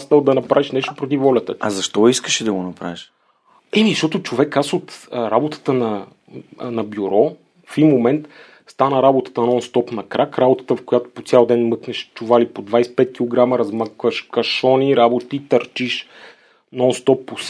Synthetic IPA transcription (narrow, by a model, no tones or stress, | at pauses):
st̪əlˠd̪ɐnɐpɾaviʃnɛʃt̪opɾʊt̪̬ivɔlʲɐt̪ə̰ɐzɐʃt̪ɔiskəʃid̪ɐɡonɐpɾa̰viʃ | ɛmiʃɔt̪ʊt͡ʃovɛkasot̪ɾabot̪ə̥t̪ənɐ | nɐbʲjuɾɔ | fimːomɛnt̪ | st̪anəɾabot̪ə̥t̪ənɔnst̪ɔpnɐkɾakɾabot̪ə̥t̪əfkojat̪o̥pot̪sʲjalˠd̪ɛnmɤknɛʃt͡ʃʊvalipod̪vajspɛt̪̚kʲilˠoɡɾaməɾɐzmakvəʃkɐʃɔniɾabot̪iit̪ɐɾt͡ʃiʃ | nɔnst̪ɔpːos